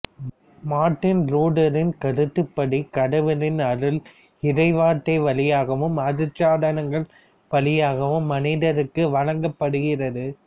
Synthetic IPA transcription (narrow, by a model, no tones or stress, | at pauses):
maːʈːɪnɾuːɖɐɾɪnkɐɽɯt̪ːɯpːɐɽikɐɽɐʋɐlɪnɐɾɯl | ɪɾɐɪʋaːʈːɐɪʋɐlɪjaːɣɐʋɯmɐɾɯt͡ʃːaːðɐnɐŋɡɐɭ | pɐɭɪjaːɣɐʋɯmːɐniːðɐɾɯkːɯʋɐɻɐŋɡɐpːɐɽɯɣɪrɐðɯ